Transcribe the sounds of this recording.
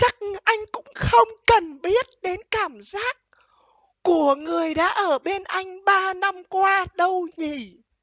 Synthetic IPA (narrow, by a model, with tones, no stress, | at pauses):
t͡ɕa˦˥k̚ʔa˧jŋ̟kʊ̰˧˥ŋ͡mxə˧wŋ͡mkə˨˩nɓi˦˥ət̚ɗe˨˦nkaː˧˩mzaː˦˥k̚ː | u˧˩əŋɨ˨˩əjɗa̰ː˧˥ʔəː˧˩ɓe˧nʔa˧jŋ̟ɓaː˧na˧mkwaː˧ɗə˧wɲi˧˨˩